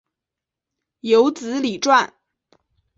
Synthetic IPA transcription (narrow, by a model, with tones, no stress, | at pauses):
jo˧˥ʊt͡sɹ̩˧˥li˨˩ʈ͡ʂwa˥˩n